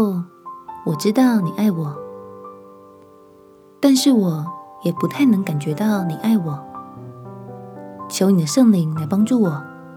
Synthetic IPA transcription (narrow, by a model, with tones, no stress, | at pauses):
wɔ˨˩ʈ͡ʂɻ̩˥t̪ɑ˥˩˨ʊni˨˩ʔa˥˩ɪwɔ˨˩˦ | t̪a˥˧nʂɻ̩˥˩wɔ˨˩jɛ˨˩pu˧˥t̪ʰa˥˩ɪnɤ˧˥ŋka˨˩nt͡ɕɥɛ˧˥t̪ɑ˥˩ʊni˨˩ʔa˥˩ɪwɔ˨˩˦ | t͡ɕʰjo˧˥ʊni˨˩d̪ə˦ʂɤ˥˩ŋli˧˥ŋla˧˥ɪpɑ˥ŋʈ͡ʂu˥˩wɔ˨˩˦